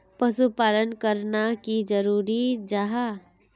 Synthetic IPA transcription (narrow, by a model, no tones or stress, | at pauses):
pɐsupaːlənkəɾnakid͡ʒəɾuːɾid͡ʒaɦa